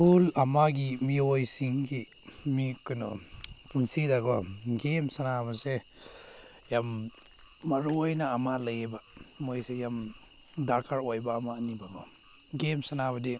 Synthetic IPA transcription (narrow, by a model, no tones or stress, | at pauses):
pulamaɡimiojsiŋɡi | mikɯnɔ̰pʰuŋsidaɡɔɡemsanabase | jamː | aɾuojnaːmalajebamojsejam | dakʰaɾojbaːmanibaɡɔ | ɡemsanaβadi